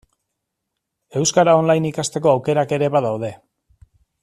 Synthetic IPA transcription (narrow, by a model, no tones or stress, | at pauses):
e̞wskaɾao̞nlajnikast̪e̞k̬o̞awke̞ɾake̞ɾe̞βaðawð̞e̞